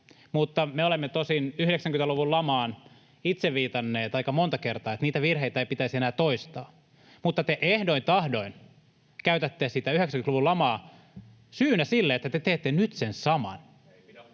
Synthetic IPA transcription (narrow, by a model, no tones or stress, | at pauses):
mut̪ːɑmeolemːet̪osinyhɾeksæŋkynt̪æluʋullɑmɑːn | it̪seʋʋiːt̪ɑnːeːt̪ɑikːɑmont̪ɑkert̪ɑːet̪niːt̪æʋirheit̪æeipit̪æisenæːt̪oist̪ɑː | mut̪ːɑt̪eʔehdoint̪ɑhdoin | kæyt̪æt̪ːeːsit̪æyheksæŋkyt̪luʋulɑmɑː | syːnæsilːeet̪ːæt̪et̪eːt̪ːenyt̪sensɑmɑ̰n